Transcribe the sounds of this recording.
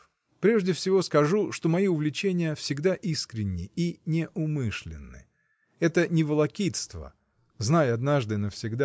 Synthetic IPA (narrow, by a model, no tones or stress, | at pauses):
pɾʲeʐdʲɪfsʲɪvo̞skɐʐuʂt̪o̞mɐjiʊvlʲɪt͡ɕenʲɪjəfsʲɪɡd̪aʔiskɾʲɪnʲːɪinʲɪʔʊmɨʂlʲɪ̰nːɨ̰ | ɛt̪ənʲɪvəlˠɐkʲit̪st̪və̰ | znajɐd̪naʐd̪ɨnəfsʲɪɡd̪a